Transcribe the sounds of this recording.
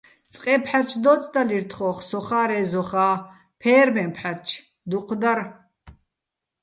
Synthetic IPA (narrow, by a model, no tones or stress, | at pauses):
t͡sʼqʼɛpʰħaɾt͡ʃʰd̪ɔt͡sʼd̪aliɾt̪ʰχɔχsɔχaːɾɛzɔχaː | pʰɛːɾmɛmpʰħaɾt͡ʃʰ | d̪uqʰd̪aɾ